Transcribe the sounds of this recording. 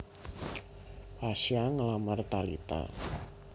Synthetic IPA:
asiaŋəlamart̪alḭt̪a̰

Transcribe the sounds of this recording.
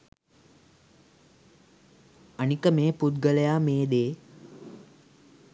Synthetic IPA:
ənikəmeːput̪ɡələjaːmeːd̪eː

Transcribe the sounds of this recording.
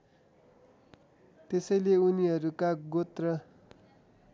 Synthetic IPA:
t̪esʌjleuniʌɾukaɡot̪rʌ

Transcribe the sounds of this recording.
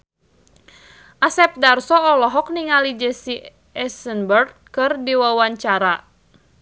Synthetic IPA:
ʔasɛp̚darsɔːlɔɦɔk̚niŋalid͡ʒɛsi | ɛsənbərd̪̚ | kɨrdiwawaɲt͡ʃaɾa

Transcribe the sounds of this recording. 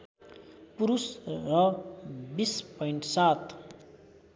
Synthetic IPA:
puɾusrʌbispʌjɳʈsat̪

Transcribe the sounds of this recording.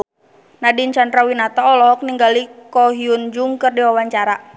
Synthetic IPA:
nadint͡ʃand̪ɾawinat̪ɔːlɔɦɔk̚niŋɡalikɔɦiund͡ʒuŋkərdiwawaɲt͡ʃaɾa

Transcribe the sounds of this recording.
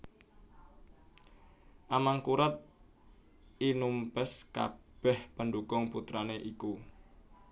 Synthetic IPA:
ʔamaŋkuɾat̪̚ | inumpəska̰b̥ɛhpəndukʊŋput̪ɾaneʔiku

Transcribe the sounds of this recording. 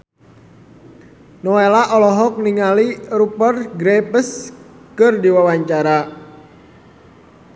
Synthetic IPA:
nɔelaʔɔlɔɦɔk̚niŋalirupərɡɾɛpəs | kɨrdiwawaɲt͡ʃaɾa

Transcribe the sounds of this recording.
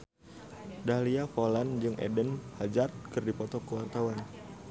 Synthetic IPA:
dahliafoland͡ʒɨŋʔɛ̰dənhad͡ʒar̚kɨrdipɔt̪ɔkəwart̪awan

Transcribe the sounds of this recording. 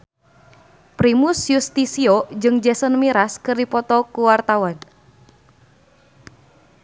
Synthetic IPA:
pɾimusjust̪isiod͡ʒɨŋd͡ʒɛsənmiɾaskərdipɔt̪ɔkuwart̪awan

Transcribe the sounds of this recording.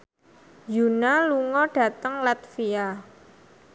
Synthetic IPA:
junaluŋɔɖ̥a̤t̪əŋlat̪fia

